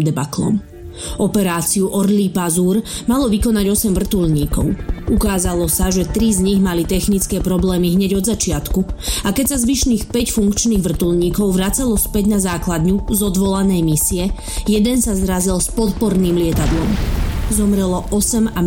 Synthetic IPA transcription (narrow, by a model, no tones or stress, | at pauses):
d̪ɛbaklɔ̰m | ʔɔpɛɾaːt͡siuʔɔɾliːpazuɾmalɔʋikɔnaɟɔsɛmʋr̩t̪ulɲiːkɔ̰ʊukaːzalɔsaʒɛt̪ɾizɲiɣmalit̪ɛxnit͡skɛːpɾɔblɛːmiɦɲɛɟɔd̪zat͡ʃɪat̪kuakɛcsazʋiʃniːxpɛcfuŋkt͡ʃniːɣʋr̩t̪ulɲiːkɔʊʋɾat͡salɔspɛɟnazaːklad̪ɲuzɔd̪ʋɔlanɛjmisiɛ | jɛd̪ɛnsazɾazilspɔt̪̚pɔɾniːmlɪɛt̪ad̪lɔmzɔmɾɛlɔʔɔsɛma